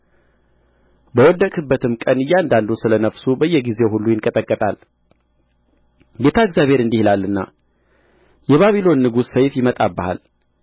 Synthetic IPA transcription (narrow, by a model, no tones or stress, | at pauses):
bəwɔd̪ːəkʼɨbːət̪ʰɨmkʼənɨjːand̪and̪usɨlənəfsubəjːɛɡize̞whulːujɪnkʼət̪ʼəkʼːət̪ʼal | ɡe̞t̪ʰaɨɡzjaβʱhe̞ɾɨnd̪ihilalːɨnːa̰ | jɛβaβilo̞nːɨɡussəjfjɪmət̪ʼabːəha̰l